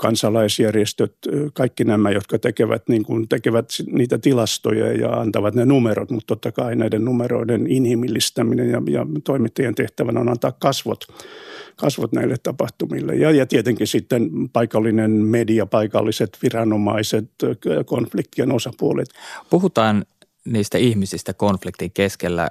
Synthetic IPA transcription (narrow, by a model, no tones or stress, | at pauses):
kɑnsɑlɑisjærjest̪øt̪kɑikːinæmæjot̪kɑt̪ekeʋæ̰t̪niːŋkunt̪ekeʋæt̪sniːt̪æt̪ilɑst̪o̰jɑ̰jɑ̰ɑ̰nt̪ɑʋɑt̪nenumero̰t̪mut̪t̪ot̪ːɑkɑinæidennumero̰ideninhimilːist̪æminejɑjɑ̰t̪oimit̪ːɑjent̪eht̪æʋænonɑnt̪ɑːkkɑsʋo̰t̪ | kɑsʋot̪næ̰ilːet̪t̪ɑpɑht̪umilːḛjɑjɑt̪iet̪eŋkisit̪ːenpɑikɑlːinenmediɑpɑikɑlːiset̪ʋirɑnomɑ̰iset̪konflik̚t̪ienosɑpuolḛt̪puhut̪ɑːn | niːst̪æihmisist̪ækonflikt̪iŋkeskelːæ̰